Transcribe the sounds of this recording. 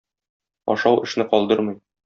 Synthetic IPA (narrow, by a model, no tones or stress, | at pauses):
ɒ̰ʃɑwɘ̆ʃn̪ɘqɒlˠd̪ɤɾmɤj